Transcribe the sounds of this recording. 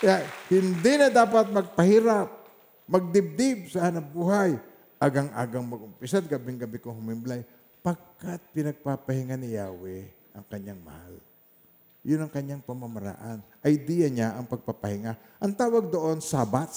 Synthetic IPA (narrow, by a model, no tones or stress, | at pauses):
ahɪnd̪inɐd̪aːpat̪̚mɐɡ̚pɐhiːɾap̚ | mɐɡ̚d̪ɪb̚d̪ɪb̚sɐʔanɐbuːhaj | ʔaɡaŋʔa̰ːɡɐŋmɐɡʊmpɪsat̪̚ɡabɪŋɡɐbɪkoŋhʊmɪmblaj | pɐɡ̚kat̪̚pɪnɐɡ̚papɐhɪŋanɪjaːwɛ | ʔɐŋkɐɲːaŋmɐ̰ha̰l | jʊnɐŋkɐɲːaŋpɐmɐmaɾa̰ʔanʔɐjd̪ijaɲaʔɐŋpɐɡ̚papɐhɪŋa | ʔɐŋt̪aːwɐɡ̚d̪oʔonsabat̪̚